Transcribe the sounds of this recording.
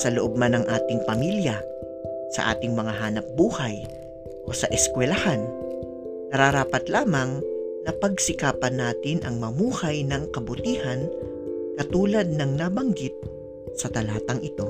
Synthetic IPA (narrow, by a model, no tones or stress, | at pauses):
sɐloʔob̚manɐŋʔaːt̪ɪŋpɐmiljɐ | sɐ̰ʔa̰ːt̪ɪŋmɐŋaɦaːnɐp̚buːhɐj | ʔo̞sɐʔɛskwɛlɐhan | nɐɾaɾaːpɐt̪laːmɐŋnɐpɐɡsɪkaːpɐnaːt̪ɪnʔɐŋmɐmuːhɐjnɐŋkɐbʊt̪iːhɐn | kɐt̪uːlɐd̪̚nɐŋnabɐŋɡɪt̪̚ | sɐt̪ɐlaːt̪ɐŋʔɪt̪o̞